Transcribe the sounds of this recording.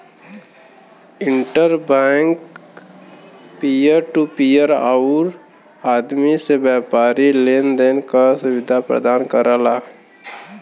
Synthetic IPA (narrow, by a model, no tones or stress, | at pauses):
ɪ̃ɳʈəɾbɛŋk | pijəɾʈupijəɾa̰ːʊɾ | aːd̪misebjaːpaːɾileːnd̪eːnkasʊwɪd̪ʱapɾə̰d̪aːnkəɾaːlaː